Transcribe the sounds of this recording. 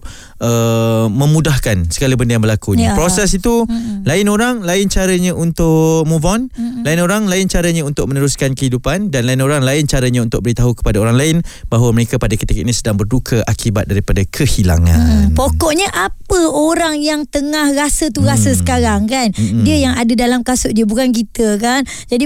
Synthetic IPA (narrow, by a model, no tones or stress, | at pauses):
ʔəmə̃mudahkansəɡalabəndəjaŋbəlakuɲapɾosɛsit̪ulaɪnoɾaŋlaɪnt͡ʃaɾaɲãʔunt̪ʊʔmuvɔnlaɪnoɾaŋlaɪnt͡ʃaɾaɲãunt̪ʊk̚mə̃nəɾuskankəɦidupandanlaɪnoɾaŋlaɪnt͡ʃaɾaɲaunt̪ʊk̚bəɾit̪aɦukə̥padaoɾaŋlaɪnbaɦwaməɾekapadakət̪ikəʔnisədaŋbərdukʰəʔakibat̪̚daɾipadakʰəhila̰ŋã̰npokɔʔɲəʔapəoɾaŋjaŋt̪əŋahrasət̪uɾasəsə̥kaɾaŋkandiəjaŋadadalamkasʊʔdiəbukank̬it̪əkan | d͡ʒadi